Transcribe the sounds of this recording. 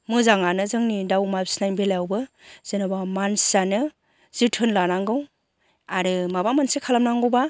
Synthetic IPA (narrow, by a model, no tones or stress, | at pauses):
mɯzaŋanɯzɯŋnidawmabsnajbelawbɯz̥ɯnɯbamansanɯ | z̥ɯtʰɯnlanaŋɡɯw | aɾɯmabamansekʰalamnaŋɡɯba